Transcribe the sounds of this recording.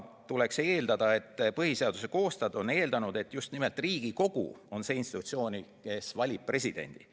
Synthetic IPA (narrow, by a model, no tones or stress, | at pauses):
t̪ule̞kse̞ːld̪ɑd̪̥ɑe̞t̪ːpɤɦise̞ɑd̪̥use̞ko̞ːst̪ɑd̪o̞ne̞ːld̪ɑnud̪e̞t̪ːˑjust̪nime̞lt̪ˑriːɡ̥iko̞ɡ̥ṵo̞nse̞ːinst̪it̪ut̪sio̞ːnʲike̞svɑlʲip̚pre̞s̬ʲid̪̥e̞̰nʲd̪̥i